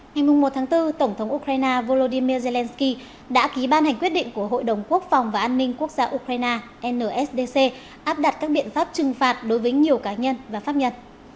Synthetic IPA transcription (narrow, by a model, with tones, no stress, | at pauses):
ŋa˨˩jmʊ˨˩ŋ͡mmo˨˩t̚t̪ʰaː˨˦ŋt̪ɨ˧t̪ə˧˩ŋ͡mt̪ʰə˨˦ŋ͡mʔu˧kɾaː˧jnaː˧vo˧lo˧ɗi˧mi˧əze˧lɛ˧nski˧ | ɗa̰ː˧˥ki˨˦ɓaː˧nha˨˩jŋ̟kwət̚ɗḭ˧˨ŋ̟ku˧˩əɦo̰˧˨jɗə˨˩wŋ͡mku˦˥ək̚fa˨˩wŋ͡mvaː˨˩ʔaː˧nːï˧ŋku˦˥ək̚zaː˧ʔu˧kɾaː˧jnaː˧ʔɛ˧nəː˧˩ʔɛ˦˥sɗe˧se˧ | ʔaː˦˥p̚ɗa˨˩t̚kaː˦˥k̚ɓḭ˧˨ənfaː˦˥p̚t͡ɕɨ˨˩ŋfaː˨˩t̚ɗo˨˦jvəː˨˦jɲi˨˩əwkaː˨˦ɲə˧nvaː˨˩faː˦˥p̚ɲə˧n